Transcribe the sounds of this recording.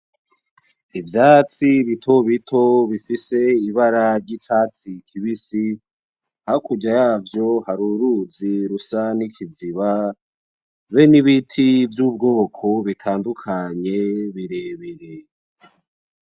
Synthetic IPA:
ivjat͡siβitʰo̞βitʰo̞βifise̞iβaɾaɾɟit͡ʃaːt͡sikʰiβisi | hakuɟajaːvjo̞haɾuɾuziɾusanikʰiziβa | βeniβitʰivjuːb̚ɡo̞ːkʰo̞βitʰaːndukʰaɲe̞βiɾe̞βeɾe

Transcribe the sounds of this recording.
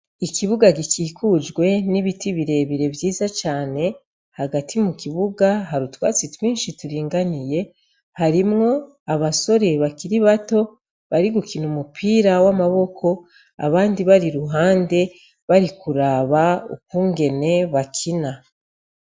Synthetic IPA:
ikiβuɡaɡikiːkʰud͡ʒɡwe̞niβitiβiɾe̞βiɾe̞vjiːzat͡ʃaːne̞ | haɡatʰimukiβuɡaɦaɾutwaːt͡sitwiːnʃituɾiːŋɡanije̞ | haɾimŋo̞ | aβaso̞ɾe̞βakiɾiβato̞ | βaɾiɡukinumupʰiːɾawamaβo̞kʰo̞ | a̰βaːndiβaɾiɾuɦaːnde̞ | βaɾikuɾaːβaṵk̚uːŋɡe̞ne̞βakʰina

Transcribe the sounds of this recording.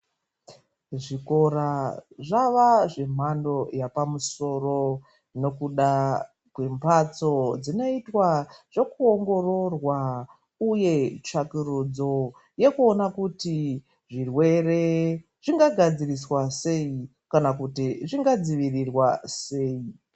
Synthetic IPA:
ʐiko̞ɾaʐaʋaʐe̞m̤ando̞japamuso̞ro̞ | no̞kuɗa | kwe̞mpʰat͡so̞d͡zino̞itwaʐ̥o̞kuoŋɡo̞ro̞rwa | uje̞t͡ʃakirud͡zo̞ | je̞kuonakuti | ʐirwe̞re̞ | ʐ̥iŋɡaɡʱad͡ziriswase̞i | kanakutiʐiŋɡad͡ziʋirirwase̞ːi

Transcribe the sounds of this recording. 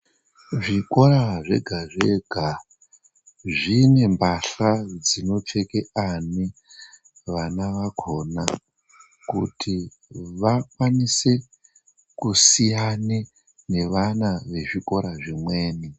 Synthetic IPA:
ʐiko̞ɾaʐe̞̰ɡʱaʐe̞ɡʱa | ʐine̞mbaɬad͡zino̞t͡ʂe̞keani | ʋanaʋakʰo̞na | kutʰi | ʋakwanise̞ | kusijani | ne̞ʋanaʋe̞ʐiko̞ɾaʐimwe̞ːni

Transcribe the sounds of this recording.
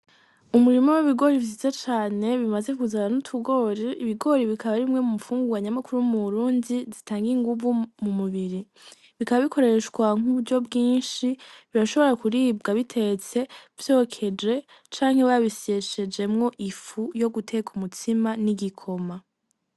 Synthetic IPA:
umuɾimoweβiɡo̞ɾivzizet͡ʃaːne̞βimazekuzananutʰuɡo̞ɾeiβiɡo̞ɾiβikaβaɾimŋe̞mumufuːŋɡuɡaɲamakuɾuwumuɾuːndizitaːŋɡiŋɡuβumumuβiɾi | βikaβaβikʰo̞ɾeʃɡwaŋ̥uβuɾɟo̞bɡiːnʃiβiɾaʃo̞βo̞ɾakuɾiːbɡaβitʰe̞t͡se̞v̥jo̞ːkʰe̞d͡ʒe̞ | t͡ʃaːŋhe̞βaβisie̞ʃe̞d͡ʒe̞mŋo̞ʔifujo̞ɡutʰe̞kʰumutʰimaniɡikʰo̞ma

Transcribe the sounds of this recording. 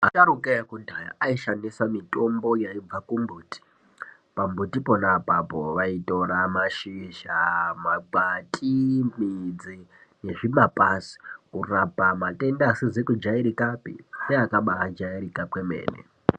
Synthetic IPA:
a̰t͡ʃaɾukejakundʱaja̰ʔaiʃanisamito̞mbo̞jaib͡vakumbuːti̥ | pambutipo̞napapo̞ʋaito̞ɾamaʃiʃamaɡ͡batʼimid͡zi | ne̞ʐimapasi̥kurapamate̞ndasizekud͡ʒaiɾikapḭneakaɓaɦad͡ʒaiɾikapwemḛːnḛ

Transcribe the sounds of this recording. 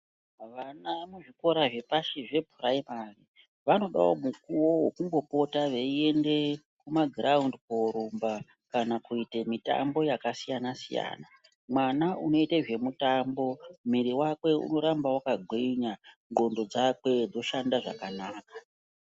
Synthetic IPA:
ʋanamuʐiko̞ɾaʐe̞paʃiʐe̞bʱuraimari | ʋano̞ɗa̰o̰mukuwo̞wokuŋɡo̞po̞taʋeie̞nde̞kumaɡraundkoɾumba | kanakuitemita̰mbo̞jakasijanasḭja̰ːna | mwanauno̞iteʐe̞mutambo̞miɾiwakwe̞ṵno̞ɾambawakaɡʱweiɲa | ŋɡo̞ndo̞d͡zakwe̞d͡zo̞ʃandaʐa̰kanaːkḁ

